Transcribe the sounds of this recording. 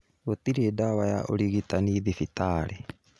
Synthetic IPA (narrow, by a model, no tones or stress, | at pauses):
ot̪iɾedawaja̰ʔo̰ɾiɣit̪aniðifit̪aːɾe